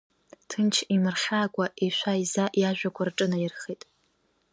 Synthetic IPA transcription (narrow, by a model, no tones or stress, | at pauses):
tʰɨnt͡ʃʰimɨrχʲaːkʷʼaʔiʃʷaizaʔjaʒᶣʷakʷʰarʈ͡ʂʼɨnajɪrχitʼ